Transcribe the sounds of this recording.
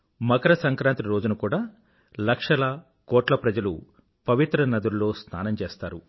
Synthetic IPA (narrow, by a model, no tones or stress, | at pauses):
mɐkɐɾɐsɐŋkɾaːnt̪iɾoːd͡ʒunɐkuːɽaː | lɐkʂɐlɐ | kɔːʈlɐpɾɐd͡ʒɐlṵ | pɐʋit̪ɾɐnɐd̪uɾlo̞ːst̪ʰa̰ːnɐmt͡ʃeːst̪a̰ːɾu